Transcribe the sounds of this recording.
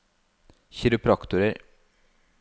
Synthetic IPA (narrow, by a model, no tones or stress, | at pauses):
çɪɾʉpʰɾɑkt̪ʊɾəɾ